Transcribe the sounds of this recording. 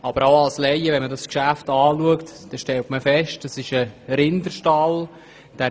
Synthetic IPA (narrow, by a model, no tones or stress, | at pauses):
ɑb̥əɾaʊɑlslɛjəʋɛnmədɑskʃæftɑːluəktd̥ɛʃtɛltməfɛʃt̚d̥ɑsɪʃəɾɪndəɾʃtɑl | d̥æ